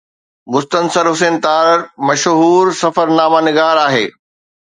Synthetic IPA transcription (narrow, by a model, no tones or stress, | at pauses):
mʊst̪ənsəɾɦʊseːnt̪aːɾɾmɐʃɦuːɾsɐfəɾnaːmanɪɡaːɾaːɦeː